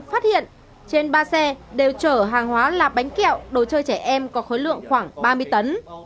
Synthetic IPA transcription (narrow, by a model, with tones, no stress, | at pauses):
faː˦˥t̚hḭ˧˨ən | t͡ɕe˧nɓaː˧sɛ˧ɗe˨˩wt͡ɕəː˧˩ɦaː˨˩ŋɦwaː˨˦laː˨˩ɓa˨˦jŋ̟kḭ˧˨əwɗə˨˩wt͡ɕəː˧jt͡ɕɛ˧˩ʔɛ˧mkɔ˨˦xo˨˦jlɨ̰˧˨əŋxwaː˧˩ŋɓaː˧mɨ˧əjt̪ə˨˦n